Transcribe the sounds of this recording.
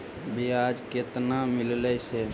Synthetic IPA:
bʱiad͡ʒket̪namɪllɛse

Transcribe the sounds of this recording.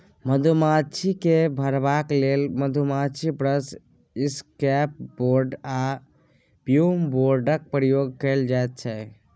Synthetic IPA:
məd̪ʱumat͡ʃʰikebʱəɾbaklelməd̪ʱumat͡ʃʰibɾəs | iskɛp̚boɾɖa | pjumboɾɖək̚pɾəjoɡ̚kəɪld͡ʒaet̪̚t͡ʃʰɛ

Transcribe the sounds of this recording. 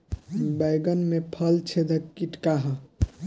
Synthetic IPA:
bajɡənmepʰəlt͡ʃʰed̪ʱəkkːiʈkaɦə

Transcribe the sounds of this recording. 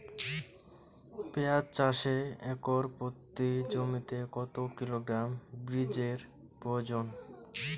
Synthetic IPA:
peat̪t͡ɕaʃeɛkoɾpot̪ːid͡ʑomit̪ekɔt̪okiloɡɾambɾid͡ʑeɾ | pɾoed͡ʑon

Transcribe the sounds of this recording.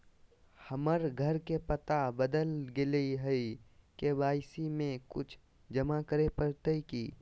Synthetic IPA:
hɐməɾɡʱəɾkepət̪abəd̪əlɡɪleɦəikebaːɪsimẽkʊt͡ʃʰ | d͡ʒɐmakəɾepəɾt̪əikiː

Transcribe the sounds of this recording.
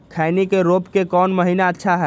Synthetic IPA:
kʰaɪnikeɾopkekɔːnməɦinaətːʃʰaɦɛ

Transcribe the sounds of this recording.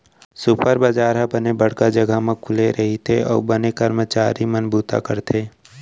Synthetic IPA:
sʊpəɾbəd͡ʒaːɾɦabənebəɽ̤kad͡ʒəɡəmẽkʰʊleɾʔɐɦit̪ʰeɔ̰ːɾbənekəɾmət͡ʃaːɾimənbuːt̪a̰kəɾt̪ʰeː

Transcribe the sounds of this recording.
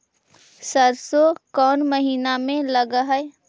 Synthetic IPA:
səɾsokɔːnməɦiːnamẽlɐɡaɦɛɛ

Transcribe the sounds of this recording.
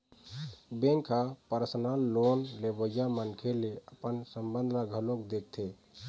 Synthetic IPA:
bẽŋkʰapəɾsənalːonlebəjamənkʰeleəpənsəmbənd̪ʱlaɡʱəlokd̪ek̚t̪ʰe

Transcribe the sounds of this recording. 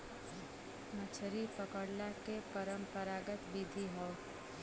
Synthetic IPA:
mət͡ʃʰɾipəkəɽlakepəɾə̃mpəɾaːɡət̪bid̪ʱiɦɔː

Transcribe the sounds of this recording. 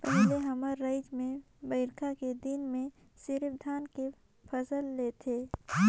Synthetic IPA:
pɛɦleɦəməɾːəɪd͡ʒmẽ | bəɪɾkʰaked̪ɪnmẽ | sɪɾɪbd̪ʱaːnke | pʰəsəlːeːt̪ʰeː

